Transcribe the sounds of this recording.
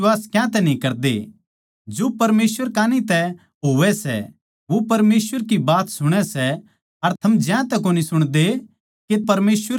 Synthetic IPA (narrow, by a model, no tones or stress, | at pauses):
aːskjãt̪ɛnĩkɐɾd̪ḛ | d͡ʒoːpɐɾmeːsʋəɾkaːnit̪ɛ | ɦoːʋɛsɛ̰ | ʋopɐɾmeːsʋəɾkibaːt̪sʊɽ̃ɛsɛ | ɐɾt̪ʰɐmd͡ʒãt̪ɛkoːnisʊɽ̃d̪e | kepɐɾmeːswəɾ